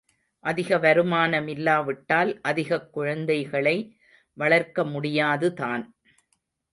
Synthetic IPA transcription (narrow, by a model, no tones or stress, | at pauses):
ʔɐðɪɣɐʋɐɾɯmaːnɐmɪlːaːʋɪʈːaːlʔɐðɪɣɐkːʊɻɐnd̪ɐɪɣɐɭɐɪ | ʋɐɭɐɾkɐmʊɽɪjaːðɯt̪aːn